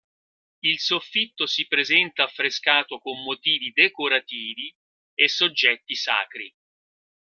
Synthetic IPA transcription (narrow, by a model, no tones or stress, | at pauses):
ilsofːit̪ːosipɾezɛnt̪aːfːɾeskaːt̪okomːot̪iːvid̪ekoɾat̪iːvi | esːod͡ʒːɛt̪ːisa̰ːkɾi